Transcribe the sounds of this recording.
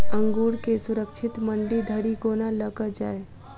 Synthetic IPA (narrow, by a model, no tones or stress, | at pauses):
əŋɡuːɽkesuɾəkt͡ʃʰɪt̪məɳɖid̪ʱəɽiɡonaləɡəd͡ʒaːe